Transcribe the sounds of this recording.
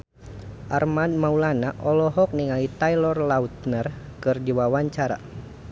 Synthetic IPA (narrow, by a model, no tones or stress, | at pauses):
ʔarmanmaulanaʔɔlɔɦɔk̚niŋalit̪ailɔrlaut̪̚nər | kɨrd͡ʒiwawaɲt͡ʃaɾa̰